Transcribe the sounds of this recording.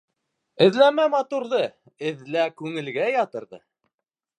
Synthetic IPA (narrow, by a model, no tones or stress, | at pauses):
ɘ̆ðlæmæmɑt̪uɾðɤ | ɘ̆ðlækʉŋɘ̆lɡæjɑt̪ɤ̆ɾðɤ̰